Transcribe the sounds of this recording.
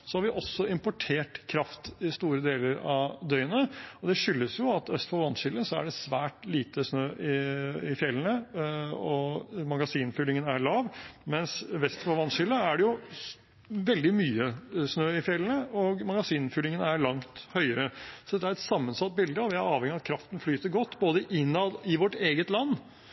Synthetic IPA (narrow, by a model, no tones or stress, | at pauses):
sɔhɑɾʋɪʔɔsːɔɪmpɔʈʰeːʈkʰɾɑft̪ɪst̪uːɾəd̪eːləɾɑʋd̪œʏənəɔd̪ɛʂʏlːəsjʊɑt̪œst̪fɔʋɑnʂɪlːəsɔæ̰ɖɛsʋæːʈliːt̪əsnøːʔɪɪfjɛlənə | ɔmɑɡɑsiːnfʏlɪŋənæɭɑːʋmɛnsʋɛst̪fɔʋɑnʂɪlːəæɖɛjʊ | ʋɛld̪ɪmyːəsnøːɪfjɛlːənəʔɔɡmɑɡɑsiːnfʏlɪŋənæɾɭɑŋt̪hœʏəɾəsɔd̪ɛt̪ːəæɾɛt̪sɑmːənsɑt̪̚ːbɪld̪əɔʋɪæɾɑːʋhɛŋːɪɑt̪̚kʰɾɑft̪n̩flyːt̪əɾɡɔt̪ːboːd̪əʔɪnːɑd̪ɪʋɔʈeːɡət̪lɑnː